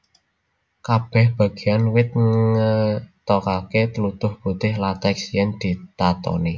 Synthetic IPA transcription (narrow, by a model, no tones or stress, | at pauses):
kab̥ɛ̤hb̥ä̤ɡ̥ejanwɪt̪̚ŋŋət̪ɔkaket̪əlut̪ʊhb̥ṳt̪ɪhlat̪ɛksjɛŋd̪̥i̤t̪at̪ɔ̰ni